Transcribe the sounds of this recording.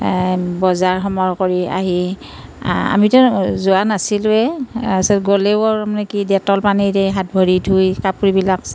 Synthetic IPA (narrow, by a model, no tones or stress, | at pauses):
bɔzaɹxɔmɔɹkoɹia̰ɦi | a̰mitʊzʊanasilɛsɛɡolewɔɹamanɛkidɛtɔlpaniɹɛɦat̚bʱɔɹidʰʱujkapuɹibilak